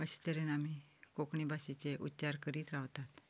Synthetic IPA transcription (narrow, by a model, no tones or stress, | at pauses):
əɕi̥t̪əɾenamikokɳibasit͡seʔutːt͡ɕaɾkəɾiːt̪ɾaʋt̪at̪